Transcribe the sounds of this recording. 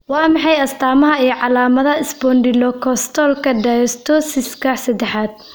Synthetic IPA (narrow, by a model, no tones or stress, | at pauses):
wɑːmɑħɑjɐst̪ʰaːmɐɦɐijɞʕɑlaːmɐðɐɪsbɔndɪlɔkʰɔst̪ʰɔlkʰɐd̪ajɔst̪ʰɔsɪskʰɐsɐd̪ɛħaːd̪̚